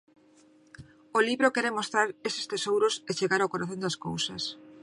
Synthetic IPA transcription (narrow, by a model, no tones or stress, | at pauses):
oliβɾokɛɾemost̪ɾaɾesɪ̥st̪esowɾoset͡ʃeɣaɾawkoɾaθõnd̪askowsɐ̰s